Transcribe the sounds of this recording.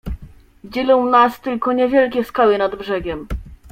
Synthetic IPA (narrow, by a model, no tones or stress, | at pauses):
d͡ʑɛlɔ̃w̃nast̪ɘlkɔɲɛvʲjɛlkʲɛskawɘnad̪bʐɛɡʲɛm